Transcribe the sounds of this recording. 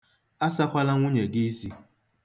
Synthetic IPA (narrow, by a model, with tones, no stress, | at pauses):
a˦sa˦kʷa˦la˦ŋʷʊ˦ɲe˨ɡi˦si˦